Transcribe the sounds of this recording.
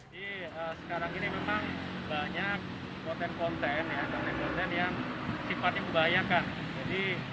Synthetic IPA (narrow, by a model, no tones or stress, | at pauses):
adi | əːsə̥kaɾaŋinimemaŋbaɲak̚ː | ɔnt̪ɛnkɔnt̪ɛnjakɔnt̪ɛnkɔnt̪ɛnjaŋsifat̪ɲaməmbaɦajakan | d͡ʒadi